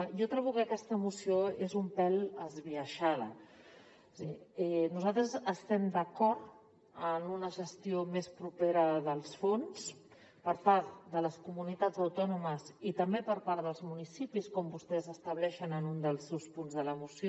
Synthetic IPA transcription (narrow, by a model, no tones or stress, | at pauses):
jɔt̪ɾɛβukəkɛst̪əːmusioezumpɛləzβiəʃaðə̰ | siɛnuzalt̪ɾəzəst̪ɛmd̪əkɔɾt̪ | ənunəʒəst̪iomespɾupeɾəðəlˠsfons | pəɾpaɾt̪d̪ələskumunit̪ad͡zəwt̪ɔnuməzit̪əmbepəɾpaɾðəlˠzmunisipiskɔmbust̪ɛzəst̪əβlɛʃənənund̪əlˠsːewspunzðələmusio